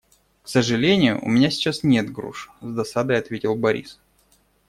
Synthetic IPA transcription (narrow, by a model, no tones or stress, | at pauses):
ksəʐɨlʲenʲɪjʊ̰ʔʊ̰mʲɪnʲasʲɪ̥t͡ɕːasnʲe̞t̪ɡɾṵʂzd̪ɐsad̪əjɐt̪vʲetʲɪlˠbɐɾʲḭs